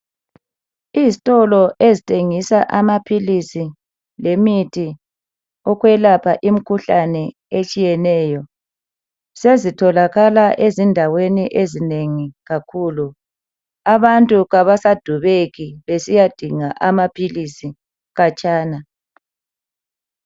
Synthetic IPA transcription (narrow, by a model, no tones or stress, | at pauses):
iːzitʼɔlɔʔezitʰʼeŋisaʔamapʰilisi | lemitʰi | ɔɣwɛlapʰaʔim̩kʰuɬanɛ | et͡ʃʼijɛnɛːjɔ | sezitʰɔlaɣalaʔezindʱaweniʔezineŋiɣakʰuːlu | aβantʼuɣaβasad̥ʱuβeɣiβesijad̥ʱiŋaʔamapʰilisi | ɣat͡ʃʼaːna